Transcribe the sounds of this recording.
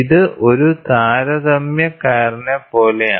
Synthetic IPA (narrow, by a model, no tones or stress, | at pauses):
iðɨʔo̞ɾut̪aːɾɐðɐmjɐkaːɾɐnɐpo̞ːlea̰